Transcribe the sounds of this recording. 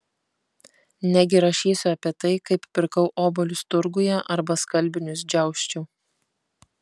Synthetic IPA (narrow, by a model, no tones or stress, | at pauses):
nʲæɡʲɪɾɐʃʲiːsʲʊɐpʲiɛt̪ɐɪkɐɪppʲɪɾkɐʊʔoːbɔlʲʊst̪ʊɾɡʊjɛʔɐɾbɐskɐlʲbʲɪnʲʊs̬d͡ʒʲɛˑʊʃʲt͡ʃʲʊː